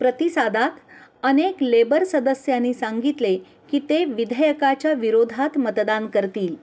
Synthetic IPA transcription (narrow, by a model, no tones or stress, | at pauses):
pɾət̪isad̪ʱat̪əneklebəɾsəd̪əsjanːiːsaŋɡit̪le | kiːt̪eʋid̪ʱəjəkat͡ɕjaʋiɾod̪ʱat̪mət̪d̪ankəɾt̪iːl